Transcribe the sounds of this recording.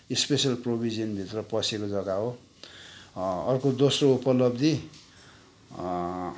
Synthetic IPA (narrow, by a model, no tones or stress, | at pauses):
ispesʌlprobʱid͡zʌnbʱit̪rʌpʌsekod͡zʌɡao | ʌrkod̪osroupʌlʌbd̪i